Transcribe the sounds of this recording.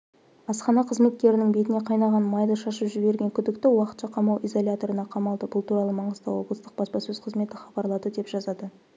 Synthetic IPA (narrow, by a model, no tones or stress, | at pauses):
ɑsqɑnɑqʰəzme̞t̪̚kʲe̞ɾɪnɪŋbet̪ɪne̞qʰɑjnɑʁɑnmɑjd̪əʃɑʃəpʒɪbe̞ɾɡʲeŋkʲʰʏd̪ɪkt̪ɪwɑqət̪ʃɑqʰɑmɑwʔizo̞lʲat̪o̞ɾənɑqʰɑmɑlˠd̪əbʊlˠt̪uɾɑlˠəmɑɴəzt̪ɑ̰woblˠəst̪ə̥q̚b̥ɑspɑsɵz̥qʰəzme̞t̪ɪχɑbɑɾlˠɑd̪əd̪e̞pʒ̥ɑzɑd̪ə